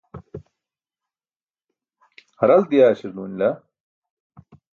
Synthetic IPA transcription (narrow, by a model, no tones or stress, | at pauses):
hɐɾɐld̪ijaːɕiɾluːnlɐ